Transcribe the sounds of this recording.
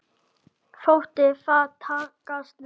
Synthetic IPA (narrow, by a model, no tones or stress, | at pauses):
fowht̪ɪfat̪ʰaːkast̪n